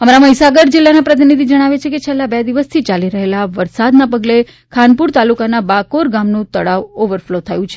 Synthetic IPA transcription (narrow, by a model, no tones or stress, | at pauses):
əmaɾaməisaɡəɾd͡ʒɪlːanapɾət̪̬inid̪ʱid͡ʒəɽ̃aʋet͡ʃʰeket͡ʃʰelːabed̪iʋəst̪ʰit͡ʃaliɾəɦelaʋəɾsad̪napəɡle | kʰanpuɾt̪alukanabakoɾɡamnũt̪əɭaʋoʋəɾflot̪ʰajũt͡ʃʰe